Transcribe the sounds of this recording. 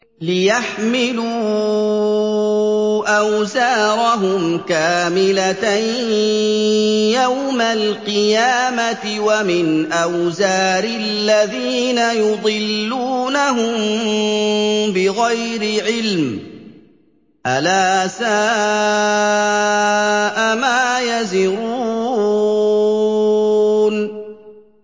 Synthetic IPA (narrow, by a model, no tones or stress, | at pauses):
lɪjaħmɪluː | ʔawzaːɾˤɑɦʊmkaːmɪlat̪aj | jawmalqɨjaːmat̪ɪwamɪnʔawzaːɾɪlːaðiːnajʊd̪ˤɨlːuːnaɦʊm | bɪɣajɾɪʕɪlm | ʔalaːsaː | ʔamaːjazɪɾuː | n